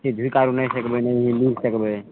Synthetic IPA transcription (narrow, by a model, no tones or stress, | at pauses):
t̪id̪ʱujkaɾunəjsəkbɛnəjɦĩmiɾsəkbɛ